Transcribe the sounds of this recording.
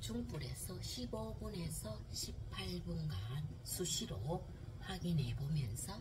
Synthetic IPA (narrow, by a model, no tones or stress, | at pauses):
t͡ɕuŋp͈uɾe̞̰sʰʌɕʰibobune̞sʰʌ | ɕʰipʰaɭbunɡan | sʰuɕʰiɾo | haɡinebomjʌnsʰʌ